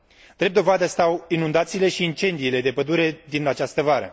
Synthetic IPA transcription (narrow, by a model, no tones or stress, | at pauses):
d̪̥ɾep̚d̪o̞vad̪əst̪awinund̪at̪siːle̞ʃiːnt͡ʃe̞nd̪iːle̞d̪e̞pəd̪uɾe̞d̪inat͡ʃast̪əvaɾə̰